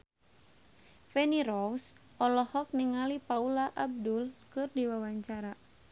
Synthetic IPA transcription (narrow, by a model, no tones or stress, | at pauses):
fɛniɾɔwsʔɔlɔhɔk̚niŋalipaulaʔab̚dulkɨrdiwawaɲt͡ʃaɾa